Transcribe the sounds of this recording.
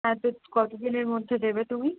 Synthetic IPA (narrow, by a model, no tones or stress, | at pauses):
ɛt̪okɔt̪od̪ineɾmod̪ʱːed̪ebet̪umi